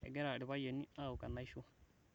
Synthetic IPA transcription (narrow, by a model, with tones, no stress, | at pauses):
ḛ˨ɡe˦ɾa˨ɾi˨ba˦ja˨ni˦a˦˨u˨ka˨na˦i˦ʃo˦